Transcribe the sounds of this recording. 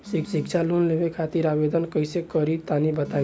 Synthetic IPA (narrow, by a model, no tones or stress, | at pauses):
siksikt͡ʃʰalunlebekʰat̪iɾabed̪ənkəjsekəɾit̪anibət̪a